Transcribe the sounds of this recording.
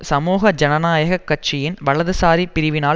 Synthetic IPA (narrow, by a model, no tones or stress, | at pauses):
sɐmuːɣɐd͡ʒɐnɐnaːjɐɣɐkːɐʈ̚t͡ʃɪjɪnʋɐɭɐðɯsaːɾipːɪɾɪʋɪnaː